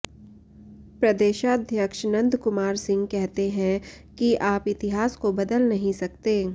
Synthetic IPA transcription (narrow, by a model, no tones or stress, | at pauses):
pɾɐd̪eːʃad̪ʱjəkʃnɐ̃nd̪kʊmaːɾsɪ̃ŋɡkɛɦt̪eɦɛ̃ | kiʔaːpɪt̪ɪɦaːskobɐd̪əlnɐɦĩsɐkt̪eː